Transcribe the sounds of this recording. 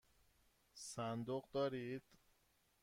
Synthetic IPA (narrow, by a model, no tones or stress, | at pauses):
sænd̪oɢd̪ɒːɾid̪̥